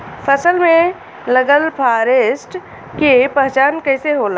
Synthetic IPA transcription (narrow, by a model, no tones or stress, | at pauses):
pʰəsəlmẽ | ləɡəlpʰaːɾeːsʈ | kepəɦt͡ʃaːnkəɦseɦoːla